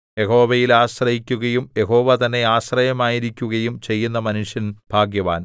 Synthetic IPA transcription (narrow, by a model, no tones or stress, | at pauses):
je̞ho̞ːʋɐjilaːɕrɐhikʲːuɣɐjumje̞ɦo̞ːʋɐt̪ɐnːe̞aːɕrɐjɐmaːjiɾikʲːuɣɐjumt͡ɕe̞jːunːɐmɐnuʂjɐnb̥ʱaːɡjɐʋa̰ːn